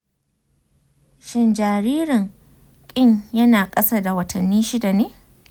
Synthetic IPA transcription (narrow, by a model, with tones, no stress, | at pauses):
ʃɪ˦nd͡ʒaː˨ɾiː˦ɾɪ˨ŋ | kʲʼɪ˦ɲjɐ˦naː˨kʼɐ˦sa˦˨da˨wɐ˨tʰɐ˨nːiː˦ʃɪ˦da˨neː˦